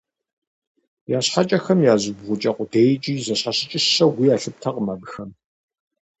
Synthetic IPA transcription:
jaːɕħat͡ʃʼɐxɐmjaːzɨɡʁʷʊt͡ʃʼɐqʼʷʊdejt͡ʃʼiːzɐɕħaɕɪt͡ʃʼɪʃɐwʷijaːɬɨp̚tʰɐqʼəmɐbxɐm

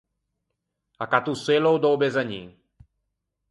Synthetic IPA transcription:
akat̪usɛlowd̪oːbɛzaɲḭː

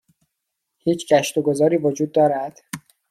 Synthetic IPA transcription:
hiːt͡ʃʰɡæʃt̪oɡozɒːɾiːvod͡ʒuːd̪̚ːɒːɾæd̪̥

